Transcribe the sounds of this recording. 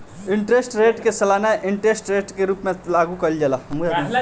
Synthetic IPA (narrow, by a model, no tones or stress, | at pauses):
iɳʈɾesʈɾeʈkesəlanaʔiɳʈɾesʈɾeʈkeɾuːpmelaɡukəld͡ʒelamu